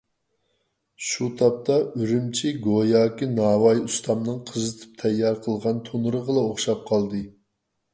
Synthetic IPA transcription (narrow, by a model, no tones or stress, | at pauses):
ʃut̪ʰɑp̚t̪ʰɑyɾymt͡ʃʰiɡojɑːkʲinɑːwɑjust̪ʰɑmnɨŋqʰəzɨt̪ʰɨ̥p̚t̪ʰɛjːɑɾqʰəlˠʁɑnt̪ʰonɾəʁəlˠɑoχʃɑp̚qʰɑlˠd̪ɨ